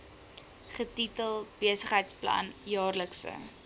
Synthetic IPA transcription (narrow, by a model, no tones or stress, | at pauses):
χətitəlˠb̥iəsəχɦəjtsplɐ̰njɑːrləksə̰